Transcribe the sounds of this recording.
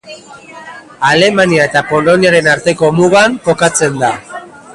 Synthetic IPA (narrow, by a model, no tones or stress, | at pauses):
ale̞maniae̞t̪apo̞lo̞niaɾe̞naɾt̪e̞ko̞muɣaŋko̞kat͡se̞nd̪a